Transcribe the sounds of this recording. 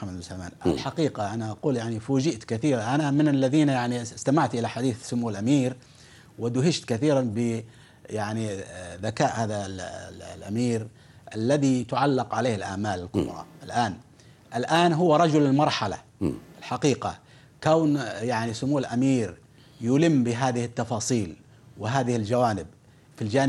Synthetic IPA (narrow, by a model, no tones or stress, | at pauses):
amssamaːnʔa̰lħaqiːqaʔanaʔaquːljaʕnifuːd͡ʒɪʔt̪kaθiːɾʔanamɪnalːaðiːnjaʕnist̪amaʕt̪ʔɪlaħad̪iːθsʊmuːlʔamiːɾ | wɪd̪ʊɦɪʃt̪kaθiːɾanbɪ | jaʕniðakaːʔhaːða | lʔamiːɾ | ʔalːaðit̪ʊʕalːɪqʕaleːhɪlʔa̰ʕmaːlɪlqʊ̰bɾˤɑ̰ʔɪlʔaːn | ʔɪlʔaːnɦʊwːaɾˤɑd͡ʒʊlɪlmɑɾˤħala̰ | ɪlħaqiːqa̰ | kawnjaʕnisʊmuːlʔamiːɾ | jʊlɪmːbɪɦaːðɪhɪt̪ːɑfɑːsˤiːl | wɪɦaːðɪhɪld͡ʒawaːnɪb̚ | fild͡ʒaːn